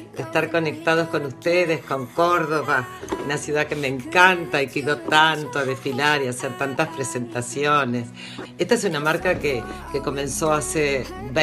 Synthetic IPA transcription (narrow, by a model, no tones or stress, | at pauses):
d̪est̪aɾko̞nek̚t̪að̞osko̞nust̪eðesko̞ŋko̞ɾðo̞βaunasjuðakemeŋkant̪aikeiðot̪ant̪oaðesfilaɾiaseɾt̪ant̪aspɾese̞nt̪asjones | est̪aesunamaɾkakekeko̞mẽ̞nsoaseβ